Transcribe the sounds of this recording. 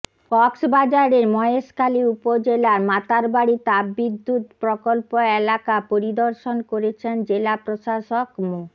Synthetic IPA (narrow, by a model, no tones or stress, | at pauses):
kɔksbad͡ʑaɾeɾmɔeeʃkaliupod͡ʑelaɾmat̪aɾbaɽit̪abːid̪ʱːut̪pɾokolpoelakapoɾid̪oɾʃonkoɾet͡ɕʰend͡ʑelapɾoʃaʃokmu